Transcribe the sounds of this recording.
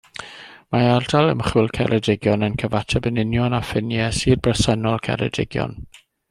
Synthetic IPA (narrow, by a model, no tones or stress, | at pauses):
maardalˠə̰mχulˠkʰɛ̰ɾʔɛdɪɡjɔnənkʰəvatʰɛbənɪnjɔnafɪnjɛsiːd̚brɛsɛnɔlˠkʰɛ̰ɾɛ̰dɪ̰ɡjɔ̰n